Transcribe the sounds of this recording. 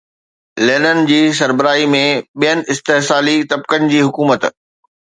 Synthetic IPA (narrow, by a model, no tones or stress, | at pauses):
leːnənɪ̆d͡ʑiːs̬ɐɾbəɾaːimẽɓijənɪ̆ɪst̪eɦsaːlit̪ɐb̚kənɪ̆d͡ʑiːɦʊkuːmət̪